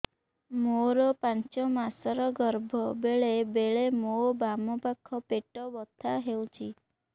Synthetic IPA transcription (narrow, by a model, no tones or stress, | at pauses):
moɾɔpant͡ʃɔmasɔɾɔɡɔɾbʱɔbeɭebeɭemobamɔpakʰɔpeʈɔbɔt̪ʰaɦewt͡ʃʰi